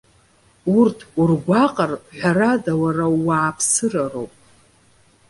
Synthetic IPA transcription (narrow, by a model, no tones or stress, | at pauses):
urtʰurɡʷaqʼarħʷᶣaɾadawaraːaːpʰsɨraro̰wpʼ